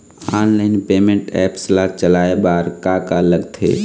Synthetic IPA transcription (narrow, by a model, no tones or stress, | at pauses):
aːnlaːɪnpeːmẽɳʈɛːpslat͡ʃəlaːebaːɾkakaləɡt̪ʰḛː